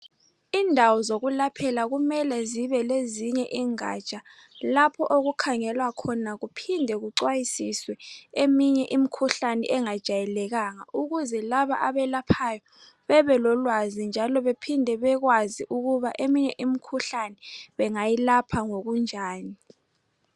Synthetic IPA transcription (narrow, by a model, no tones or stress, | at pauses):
iːndʱawɔzoɣulapʰɛlaɣumɛlɛziβɛleziɲɛʔiːŋa̰t͡ʃʼa | lapʰɔʔoɣukʰaŋɛlwakʰɔnaɣupʰindʱɛɣuǀwajisiswɛemiɲɛʔimikʰuɬanɛ̰ʔɛŋad̥ʒ̥ʱajɛlɛɣaŋaʔuɣuzɛlaβaʔaβɛlapʰajɔ | βɛβɛlɔlwazind͡ʒʱalɔβepʰindʱɛβɛɣwaziʔuɣuβaʔemiɲɛʔimikʰuɬanɛβɛŋajilapʰaŋoɣund͡ʒʱaːni